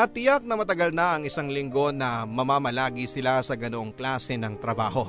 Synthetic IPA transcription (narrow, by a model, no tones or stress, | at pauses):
ʔɐt̪ːɪjɐk̚nɐmɐt̪ɐɡɐlnɐʔɐŋʔɪsaŋlɪŋɡo̞nɐmɐmaːmɐlaːɡisɪlasɐɡɐnoʔoŋklaːsɛnɐŋt̪ɾɐbaːho̞